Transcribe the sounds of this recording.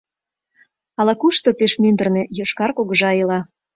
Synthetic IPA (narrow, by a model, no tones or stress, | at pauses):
ɑlɑkuʃt̪opeʃmynd̪ərnejoʃkɑrkoɣə̆ʒɑiəlɑ